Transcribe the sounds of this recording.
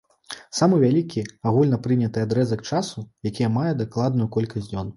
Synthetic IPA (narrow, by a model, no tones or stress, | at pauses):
samɨvʲalʲikʲiaɣulʲnɐpɾɨnʲɐt̪ɨad̪ɾɛzɐk̚t͡ʂasujakʲijɐmajɛd̪aklˠad̪nujukɔlʲkɐsʲnʲɔn